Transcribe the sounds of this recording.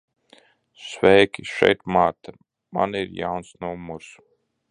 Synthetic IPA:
svɛjkʲiʃɛ̰jt̪maːt̪a | ma̰niɾja̰wnsnuɔmuɾs

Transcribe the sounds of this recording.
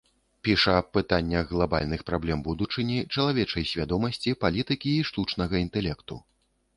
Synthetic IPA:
pʲiʂɐːpːɨt̪anʲːɐɣɣlˠaba̰lʲnɨxpɾablʲɛmbud̪ut͡ʂɨnʲit͡ʂɐlˠavʲɛt͡ʂɐjsʲvʲad̪ɔmɐsʲt͡sʲipalʲit̪ɨkʲiːʂt̪ut͡ʂnɐɣɐint̪ɛlʲɛkt̪ṵ

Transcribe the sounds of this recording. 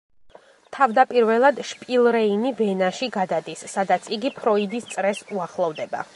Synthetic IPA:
t̪ʰavd̪apʼiɾvɛlˠad̪ʃpʼilˠɾɛinivɛnaʃiɡad̪ad̪isːad̪at̪sʰiɡipʰɾɔid̪ist̪sʼɾɛsuaχlˠɔvd̪ɛba̰

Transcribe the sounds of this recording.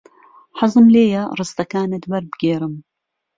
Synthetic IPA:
ħɑzˤɨmleːjɐrˤɨst̪ɐkaːnɨt̪bɐɾbɨɡeːɾɨm

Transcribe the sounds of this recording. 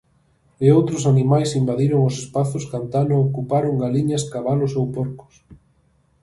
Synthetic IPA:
eowt̪ɾʊsanimajsimbaðiɾoŋʊsespaθʊskant̪anookupaɾoŋɡaliɲaskaβalʊsowpoɾkʊ̥s

